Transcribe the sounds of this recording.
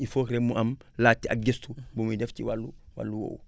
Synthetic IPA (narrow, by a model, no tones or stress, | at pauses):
ifoːkɾemːuʔamlaːtːia̰ɡestubumudefciwalːuwa̰lːuwo̰ːw